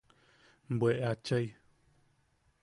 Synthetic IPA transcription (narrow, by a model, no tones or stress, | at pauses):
mbweʔat͡ʃəj